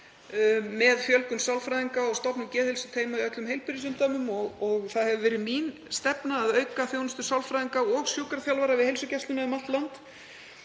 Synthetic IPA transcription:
mɛðfjœlkʏmsawlfɾajðiŋkaɔɣst̪ɔpnʏmcɛːðhejlsʏ̥t̪ʰeːjmaiœt̪lʏmɦejlpɪɾɪsʏmt̪aːmʏmɔɣɔɣθaðhɛvʏvɛːɾɪmin | st̪ɛpnaːðœɥkaθjoːwnʏst̪ʏ̥sawlfɾajðiŋkaɔɣsjowkaɾaθjawlvaɾavɪðhejlsʏcɛst̪ʏnaɪmat̪lant̪

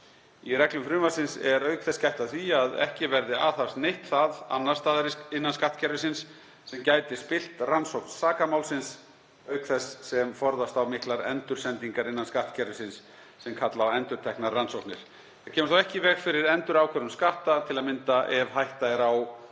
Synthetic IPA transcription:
irɛklʏmfɾʏːmasɪnsɛɾœːɥkθɛscajht̪aðθiaðɛ̰hcɪvɛɾðɪaːθḁst̪nejht̪θaða̰nːaɾ̥st̪aːðaɾɪsɪnːanskaht̪cʰɛɾvɪsɪns | sɛmcaːjt̪ɪspɪl̥t̪ransowhkn̥ssaːkamawlsɪns | œɥkθɛsːɛmfɔɾðast̪awmɪhklaɾɛ̰nt̪ʏɾ̥sɛnt̪iŋkaɾɪnːanskaht̪cʰɛɾvɪsɪnsː | ɛmkʰat̪lawɛnt̪ʏɾ̥t̪ʰɛhknaɾːansowht̪nɪɾ̥ | θacʰɛːmʏstθawɛhcɪvɛːɣfɪɾɪɾɛnt̪ʏɾawkʰɛɾʏmskaht̪at̪ʰɪlaðmɪnt̪aʔɛvhajht̪aɪɾaw

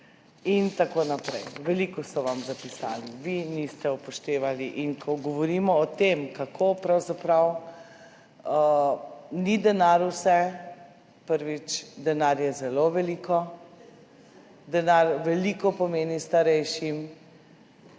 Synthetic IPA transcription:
int̪akonapɾɛjʋɛliːkɔst̪ɔʋamzapisa̰ːliʋinist̪ɛupɔʃt̪eːʋaliʔinkʰɔɡɔʋɔɾimɔːt̪emkakʰopɾawzapɾaw | ə | nid̪ɛnaɾusɛ | pəɾʋit͡ʃd̪ɛnaɾjɛzɛloʋɛliːkɔ | d̪ɛnaɾʋɛliːkɔpɔmeːnist̪aɾɛjʃim

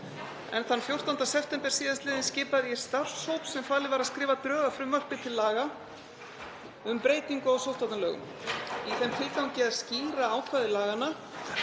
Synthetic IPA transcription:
ɛ̰nθanːfjowr̥t̪ant̪asɛft̪ɛmpɛ̥siːðanst̪lɪːðɪnscɪːpaðjɛ̥st̪ar̥showt̪sɛmfaːlɪvaɾaðskɾɪːvat̪ɾœːɣafɾʏmːœr̥pɪt̪ʰɪlːaːɣa | ʏmpɾeːjt̪iŋkʏɔɣsowht̪at̪alœːɣʏ̰m | iθɛmt̪ʰɪlkaw̃cɪaðsciːɾaaːwkʰvaðʏlaːɣana

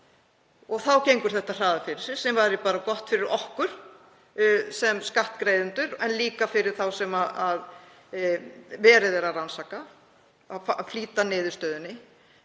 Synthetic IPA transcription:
ɔɣθawcejŋkʏɾ̥θɛht̪ar̥aːðafɪɾɪɾ̥sɪ̥sɛmvaɾɪpaːɾakɔht̪fɪɾɪɾɔhkʏɾ̥ | sɛmskaht̪kɾejðʏnt̪ʏɾɛnliːkafɪɾɪɾ̥θawsɛmaðað | vɛːɾɪðɛːɾaransaːka | affliːt̪anɪːðʏɾst̪œːðʏnːɪ

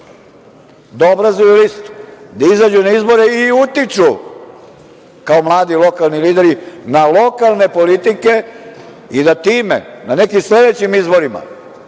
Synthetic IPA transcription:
d̪aobɾazujulist̪d̪aizad͡ʒunaizbo̞ɾeiut̪it͡ʃu | kaomlˠaːd̪ilˠo̞kalˠniliːd̪eɾinalˠo̞kalˠne̞polit̪ike̞ | id̪at̪iːmḛnane̞kimsle̞d̪e̞t͡ɕimizbo̞ɾima̰

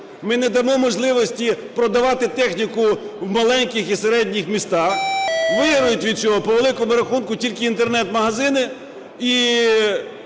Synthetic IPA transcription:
mɪnɛd̪ɐmɔmɔʒlˠɪʋɔsʲtʲipɾɔd̪ɐʋɑt̪ɪt̪ɛxnʲikʊwmɐlˠɛnʲkʲɪxiseɾɛdʲnʲixmʲist̪ɑxʋɪɦɾʊjʊtʲʋʲid̪̚t͡ʃɔɦɔpɔʋelˠɪkɔmʊɾɐxunkʊtʲilʲkɪint̪ernɛt̪mɐɦɐzɪnɪ | i

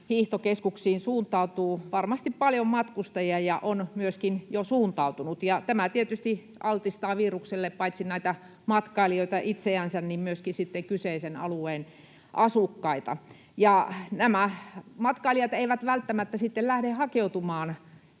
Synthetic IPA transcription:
hiːht̪okeskuksiːnsuːnt̪ːˑɑut̪uːʋɑrmɑst̪ippɑljommɑt̪kust̪ɑjiɑjɑʔonmyøskinjosuːnt̪ɑut̪unut̪jɑt̪æmæt̪iet̪yst̪i | ʔɑlt̪ist̪ɑːʋiːrukselːeppɑit̪sinnæˑit̪æ | mɑt̪kɑilioit̪ɑʔit̪seænsænnimmyøskisit̪ːeŋkyseisenɑ̰lueːn | ʔɑsukːɑit̪ɑ̰ | jɑnæmæmɑt̪kɑiliɑt̪eiʋæt̪ʋælt̪ːæmæt̪ːæsit̪ːellæhɾehhɑkeut̪umɑːn

